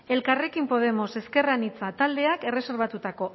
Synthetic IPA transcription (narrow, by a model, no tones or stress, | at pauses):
e̞lkare̞kimpo̞ð̞e̞mo̞se̞ske̞ranit͡sat̪ald̪e̞ake̞re̞se̞ɾβ̞at̪ut̪ako̞